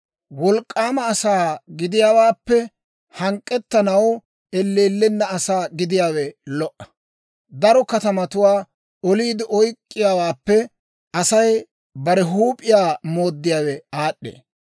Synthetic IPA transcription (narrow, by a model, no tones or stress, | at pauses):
wɔlkʼːaːmɐːsaːɡɪd̪ɪjaːwaːpːɛ | hɐŋkʼːɛt̪ːɐnɐw | ɛlːeːlːɛnːɐɐsaːɡɪd̪ɪjaːwɛlɔʔɐ̥ | d̪ɐɾɔkɐt̪ɐmɐt̪ʊwaː | ɔliːd̪ɪʔɔjkʼːɪjaːwaːpːɛ | ɐsɐj | bɐɾɛɦuːpʼːɪjaːmo̞ːd̪ːɪjaːwɛaːɗːḛː